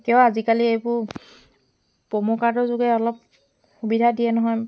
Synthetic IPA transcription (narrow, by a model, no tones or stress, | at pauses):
kjɔ̃azikaliejbʊɹ | pɔmɔkadɔzʊɡɛɔlɔp̚ | xubidʱadijɛnɔɦɔj